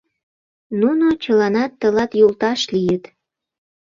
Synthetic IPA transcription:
nunot͡ɕə̆lɑnɑt̪ːə̆lɑt̪jult̪ɑʃlijət̪

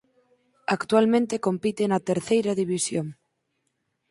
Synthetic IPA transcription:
akt̪ualmẽnt̪ekompit̪enat̪eɾθejɾaðiβisjoŋ

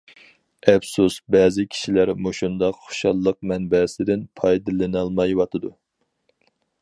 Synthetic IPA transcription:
ɛpsusbɛːzɪkʲʰi̥ʃilæɾmuʃund̪ɑqχo̥ʃɑlˠːəq̚mɛnbɛsɪd̪ɪnpʰɑjd̪ɨlˠɨnɑlˠmɑjwɑt̪ʰɨd̪u

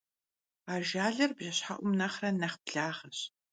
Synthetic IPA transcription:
aːʒaːɮɐrbʑɐɕħaʔʷʊmnɐχrɐnɐχpɮaːʁɐɕ

